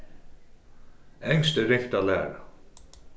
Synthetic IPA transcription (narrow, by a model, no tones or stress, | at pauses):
ɛŋst̪əɾɪht̪alæ̰ːɾa̰